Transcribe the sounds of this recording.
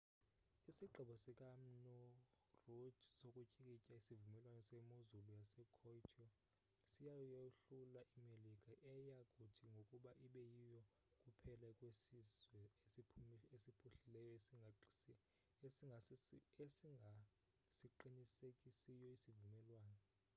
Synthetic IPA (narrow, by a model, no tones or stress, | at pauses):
isiǃʱiɓɔsɛkʼam̩nɔ | rodsokʼucʼikʼicʼaisivumɛlwanɛsɛmuzulujasɛkʰɔitʰʼɔ | sijajuɬulaʔimelikʼaʔɛjakʼutʰiŋɡʱokʼuɓaʔiɓɛjijɔ | kʼupʰɛlakʼwesizwɛeiesipʰuɬilɛjɔesi | eaesiŋʱa | siǃinisekʼisijɔisivumɛlwaːnɛ